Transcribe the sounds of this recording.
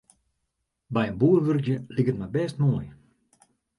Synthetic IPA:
bɛjənbuərʋørkjəlikətmɛjbɛːstmoːj

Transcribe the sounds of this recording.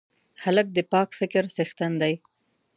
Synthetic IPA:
halək̚d̪əpɑkfɪkɾsaxt̪and̪aj

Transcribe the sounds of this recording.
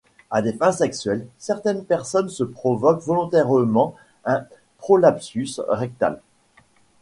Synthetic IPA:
ad̪efɛ̃sɛksɥɛlsɛʁt̪ɛnpɛʁsɔnsəpχɔvɔkvɔlɔ̃t̪ɛʁəmɑ̃ | ɛ̃ | pχɔlapsysʁɛk̚t̪a̰l

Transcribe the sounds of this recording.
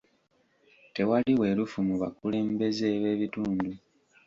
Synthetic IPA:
te̞waliwe̞lufumuβa̰kule̞ːmbe̞zeːβe̞ːβituːndu

